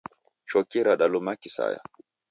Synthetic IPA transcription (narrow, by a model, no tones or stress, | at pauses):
t͡ʃɔkːiɾaɗalumakisa̰ja̰